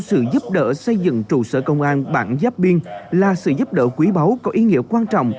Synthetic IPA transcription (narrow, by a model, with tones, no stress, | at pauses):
sɨ̰˧˨zu˦˥p̚ɗə̰ː˧˥sə˧jzɨ̰˧˨ŋt͡ɕu˧˩sə̰ː˧˩kə˧wŋ͡mʔaː˧nɓa̰ː˧˩nzaː˦˥p̚ɓi˧ənlaː˨˩sɨ̰˧˨zu˦˥p̚ɗə̰ː˧˩kwi˨˦ɓa˨˦wkɔ˨˦ʔi˨˦ŋḭ˧˥əkwaː˧nt͡ɕɔ̰˧˨wŋ͡m